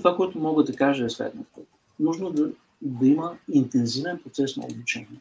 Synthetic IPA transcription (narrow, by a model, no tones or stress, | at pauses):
t̪ovakoɛt̪ʊmɔɡəd̪ɐkaʒəɛslɛ̰d̪nofko | nuʒnod̪ | d̪ɐiməint̪ɛnzivɛnpɾot̪sɛsnɐ̰o̰but͡ʃɛniɛ